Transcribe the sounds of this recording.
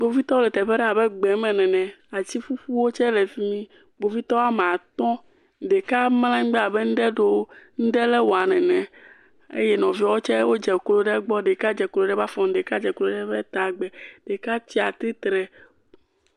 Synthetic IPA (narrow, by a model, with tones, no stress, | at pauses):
ɡ͡bo˦vi˦t̪ɔ˦wo˦lɛ˨t̪ɛ˨ɸɛ˦ɖɛ˦a˨bɛ˦ɡ͡bɛ˨mɛ̃˨nɛ̃˨nɛ̃˨a˨t͡ɕi˦fu˦fu˦wo˦t͡ʃɛ˦lɛ˨fi˦mĩ˦ | ɡ͡bo˨˦vi˦t̪ɔ˦a˦m˨a˨t̪ɔ̃˦ | ɖe˨ka˦ml̃ã˦ŋ̩˦ɡ͡bɛ˦a˨bɛ˦ŋ̩˦ɖɛ˦ɖo˦ŋ̩˦ɖɛ˦lɛ˦wo˨a˨nɛ̃˨nɛ̃˨ | ḛ˦jɛ˦nɔ̃˨vi˦ɔ˦wo˦t͡ʃɛ˦wo˦d͡ʒɛ˨klo˦ɖɛ˦ɡ͡bɔ˦ɖe˨ka˦d͡ʒɛ˨klo˨ɖɛ˦va˦fɔ̃˨ŋ̩˦ɖe˨ka˦d͡ʒɛ˨klo˦ɖɛ˦bɛ˦t̪a˨ɡ͡bɛ˨ɖ̥e˨ka˦t͡ɕ̪i˦a˨t̪ɾi˦t̪ɾɛ˨